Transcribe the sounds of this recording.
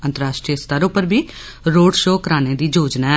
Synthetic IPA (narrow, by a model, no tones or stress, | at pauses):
ə̃nt̪əɾaːʃʈɾiəst̪əɾʊpəɾbʱiː | ɾoːɖʃoːkəɾaːneːd̪iːd͡ʒoːd͡ʒnaːɛ